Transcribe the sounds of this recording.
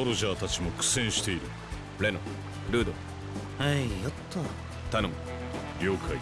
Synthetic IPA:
oɾoʑaːt̪at͡ɕimo̞kɯ̟̥sẽ̞ɰ̃ɕi̥t̪e̞iɾɯ | ɾe̞no | ɾɯ̟ːd̪o̰ | haijot̪ʰːo | t̪anom | ɾʲo̞ːkʰai

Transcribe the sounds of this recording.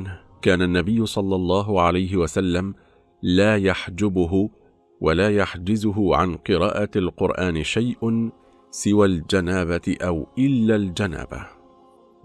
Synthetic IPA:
n | kaːnanːabɪjːʊsˤɑlːɑlˤːɑːɦʊʕalajɦɪwasalːam | laːjaħd͡ʒʊbʊɦʊ | wʔalaːjaħd͡ʒɪzʊɦʊʕa̰nqɨɾaːʔaalqʊɾʔaːnɪʃajʔ | sɪwaːld͡ʒanaːbat̪ɪʔawʔɪlːald͡ʒana̰ːba̰

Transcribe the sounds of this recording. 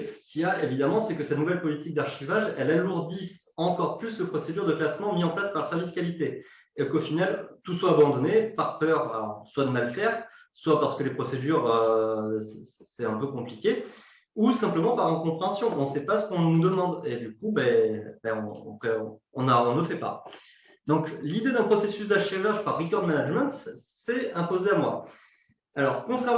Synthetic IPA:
kʲiaevid̪amɑ̃sɛkəsɛt̪nuvɛlpɔlit̪ik̚d̪aʁʃivaʒɛlɛlmɑ̃d̪is | ɑ̃kɔʁplysd̪əpχɔsed̪yʁd̪əklasmɑ̃miɑ̃plaspaʁlsɛʁviskʲalit̪e | ekofinalt̪uswaːbɑ̃d̪ɔnepaʁpœʁaswad̪əmalfɛʁ | swapaʁsə̥kəlepχɔsed̪yʁøsɛsɛt̪ɛ̃pøkɔ̃plikʲe | usɛ̃pləmɑ̃paʁynkɔ̃pχeɑ̃sjɔ̃ʔɔ̃sɛpasə̥kɔ̃nnud̪əmɑ̃d̪ed̪ykubɛbɛɔ̃ɔ̰̃pχɛɔ̃ | ɔ̃naɔ̃nləfɛpa̰ | d̪ɔ̃klid̪ed̪ɛ̃pχɔsesysd̪aʃevaʒpaʁːikɔʁd̪manaʒmɛ̃t̪sɛɛ̃pozeamwa | alɔʁkɔ̃t̪χɛʁ

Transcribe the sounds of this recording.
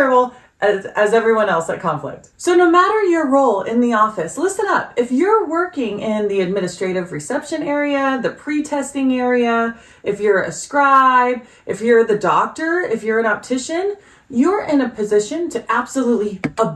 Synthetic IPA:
bl̩ˠ | ʔɨzɨzɛvɹiwʌ̃nɛlˠsɨt̚kʰɑ̃ɱflɪ̰k̚tsoʊnoʊmæɾə˞jə˞ɹoʊlˠɪ̃nðiɔfɨslɪsɨ̃ɾʌpɨfjə˞wɜ˞kɪ̃ŋɪ̃nðiɨd̚mɪ̃ñɨstɹ̥eɪɾɨvɹɨsɛpʃɨ̃nɛɹiɨðɨpʰɹ̥itʰɛstɪ̃ŋɛɹiɨ | ɨfjə˞ɨ̰skɹaɪb | ʔɨfjə˞ðɨdɔk̚tə˞ɪfjə˞ɨ̃ɾɑp̚tʰɪʃɨ̃n | jə˞ʔɪ̃nɨpʰɨzɪʃɨ̃ntʰɨʔæb̥səlutˡliə

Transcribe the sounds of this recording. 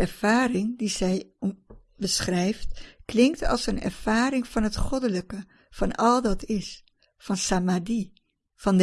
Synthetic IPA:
ɛɹv̥aːɾɪŋdizɛj | bəsχrɛjftklɪŋktɑ̰lˠsənɛ̰ɹv̥aːɾɪŋv̥ɑnɦətχɔdələkə | fɑnɑlˠdɑtʰɪs | fɑnsamadi | fɑnd

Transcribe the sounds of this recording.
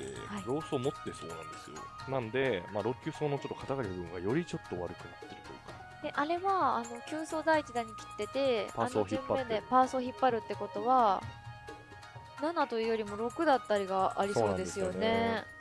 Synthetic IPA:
ḛhaijo̞ːsoːmo̞t̪ːe̞so̞ːnã̰nd̪e̞sɨjo̰nãnod̪e̞maːɾo̞kʲːɨso̞ːno̞t͡ɕo̞t̪ːokat̪aɡaɾʲiɯbɯ̟̃ŋɡa̰jo̞ɾʲit͡ɕo̞t̪ːo̞βa̰ɾɯ̟kɯ̟nat̪ːe̞ɾɯ̟t̪o̞jɯ̰kḁ | eʔaɾe̞βaːno̞kʲɨːso̞ːd̪ait͡ɕid̪aɲ̟ikʲi̥t̪ːe̞t̪e̞paanoçziɯ̃mːaẽd̪e̞paːsoːçipːaɾɯ̟t̪ːe̞ko̞t̪o̞βa | nanat̪o̞ɯ̟ːjo̞ɾʲimo̞ɾo̞kɯ̟d̪at̪ːaɾʲiɡaʔa̰ɾʲisoo̞ːd̪e̞dsɨjo̞ne̞

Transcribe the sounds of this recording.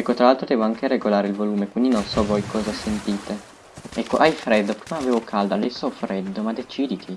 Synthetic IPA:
ɛkːot̪ɾalalt̪ɾod̪ɛːvoaŋk̟eɾeɡolaːɾeilvoluːmekwind̪inonsɔvɔjkʰɔːzasent̪iːt̪e | ɛkːoʔajfɾɛd̪ːopɾiːmaːveːvokʰald̪ad̪ɛsːoɔfɾɛd̪ːomad̪et͡ʃiːd̪it̪ʰi

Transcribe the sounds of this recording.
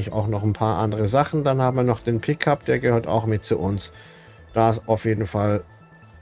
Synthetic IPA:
ɪça̰ʊxnɔχn̩pʰaːɐʔandəʁəzaχn̩danhaːbm̩viːɐnɔχd̥eːnpʰɪkʰap̚d̥eːɐɡəhøːɐta̰ʊxmɪt̚t͡suʔʊns | d̥aɪsaʊfjeːdn̩fal

